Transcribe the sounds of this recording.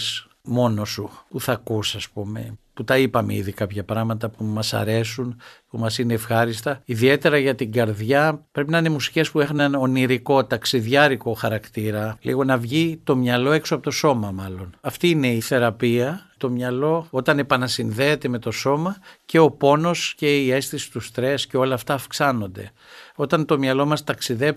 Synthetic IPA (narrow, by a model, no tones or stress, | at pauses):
s | mo̞no̞supuθɐkusɐspume̞̰put̪ɐipɐmeḭðikɐpçɐpɾɐɣmɐt̪ɐpumɐsɐ̰ɾe̞sunpumɐsineːfxɐɾist̪ɐiðie̞t̪e̞ɾɐʝɐt̪iɡɐɾðjʝɐpɾe̞pinɐine̞musi̥ce̞spue̞xɐnɐno̞niɾiko̞t̪ɐksiðʝɐɾiko̞xɐɾɐkt̪iɾɐlḭɣo̞nɐvʝit̪o̞mɲɐlo̞e̞ksoɐpo̞t̪o̞so̞mɐmɐlo̞nɐft̪iːne̞iθe̞ɾɐpiɐt̪o̞mɲɐlo̞o̞t̪ɐne̞pɐnɐsinðe̞ːt̪e̞me̞t̪o̞so̞mɐce̞o̞po̞no̞sce̞ie̞sθisi̥t̪ust̪ɾe̞sce̞o̞lɐːft̪ɐːfksɐno̞nd̪e̞̰ | o̞t̪ɐnt̪o̞mɲɐlo̞mɐst̪ɐksiðe̞p